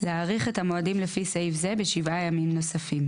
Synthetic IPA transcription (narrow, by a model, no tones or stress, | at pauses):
leaʁiχe̞thamo̞adimlefisejvzebeʃivʔajamimno̞safim